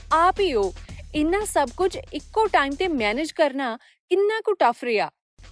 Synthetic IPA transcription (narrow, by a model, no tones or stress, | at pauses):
aːpioːɪnːãsɐbkʊd͡ʒɪkːoʈaːɪmt̪emɛːned͡ʒkɐɾna | kɪnːãkũʈɐfʰɾɪjaː